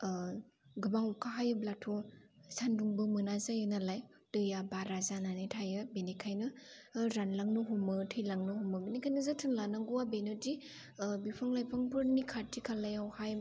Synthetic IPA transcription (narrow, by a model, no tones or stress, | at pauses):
ɡɯbaŋukʰaɦajɯblatʰɔsʰanduŋbɯmɯnazajɯnalaj | d̥ɯjabaɾazananɯtʰajɯbenikʰajnɯɾanlaŋnɯɦumɯtʰɯjlaŋnɯhumɯbenikʰajnɯzɯtʰɯnlanaŋɡuwabenodi | bipʰaŋlajpʰaŋpʰɯɾnikʰatikʰalajawhaj